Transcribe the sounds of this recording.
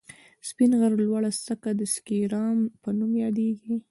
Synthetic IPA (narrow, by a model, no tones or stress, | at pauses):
spinɣaɾlwɑɽast̪əkad̪əskiɾɑmpənumjɑd̪eɡi